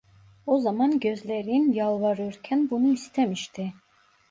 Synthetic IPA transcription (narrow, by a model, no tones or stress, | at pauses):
ozamɑnɟøzlʲeɾinjalˠvɑɾɯɾcʰænbunuist̪ʰemiʃt̪ʰi